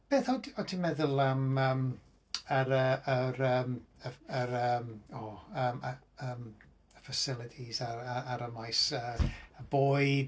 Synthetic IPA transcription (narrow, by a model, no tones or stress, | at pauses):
b̥eːθɔtʰɔtʰimɛðʊlˠaməːm | əɾəəɾəːməəɾəmoːəmə | əm | əfəsɪlˠɪtʰizaaaɾəmajsəəboːɨd